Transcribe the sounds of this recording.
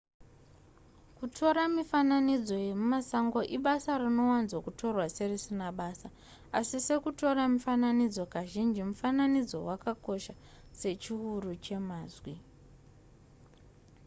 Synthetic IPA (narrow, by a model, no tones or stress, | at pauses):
kutʰo̞ɾamifananid͡zo̞je̞mumasaŋɡo̞ʔiɓasarino̞wanzwakutʰo̞rwase̞risinaɓaːsa | asise̞kuto̞ɾamifananid͡zo̞kaʒind͡ʒimufananid͡zo̞̰wakako̞ʃa | se̞t͡ʃiɦurut͡ʃe̞maːzwi